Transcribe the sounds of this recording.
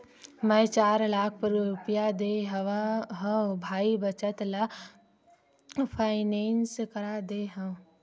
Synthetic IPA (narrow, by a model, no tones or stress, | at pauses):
mɛ̃ːt͡ʃaːɾlaːk̚ʰpɐɾɾʊpjad̪eːɦaɦɐbʱaːibɐt͡ʃət̪la | pʰaːɪnẽːnskɐɾad̪eːɦã